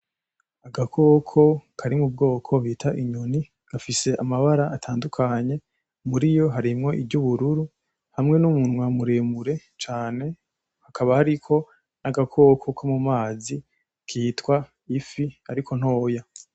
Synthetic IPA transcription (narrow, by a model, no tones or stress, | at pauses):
aɡakʰo̞ːkʰo̞kʰaɾimub̚ɡo̞ːkʰo̞βiːtʰaʔiɲuni | ɡ̥afise̞ʔamaβaɾaʔːtʰaːndukʰaɲe̞ | muɾijo̞ɦaɾimŋo̞ʔibɟuβuɾuɾu | hamŋe̞numunwamuɾemuɾe̞ | t͡ʃaːne̞ | hakʰaβahaɾikʰo̞ | naɡakʰo̞ːkʰo̞kʰomumaːzi | kʰiːtwa | ifiaɾikʰo̞n̥ho̞ːja